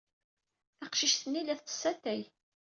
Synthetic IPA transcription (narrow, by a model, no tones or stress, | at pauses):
æqʃiʃθənːilæθə̥sːæt̪æj